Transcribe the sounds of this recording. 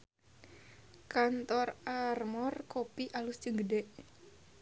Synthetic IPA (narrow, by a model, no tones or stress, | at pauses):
kant̪ɔrarmɔrkopiʔalust͡ʃəŋɡədɛʔ